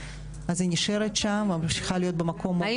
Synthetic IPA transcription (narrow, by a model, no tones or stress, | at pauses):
azinʲiʃeɾet̪ʃamamʃi̥χalijo̞t̪̚bemakʰo̞m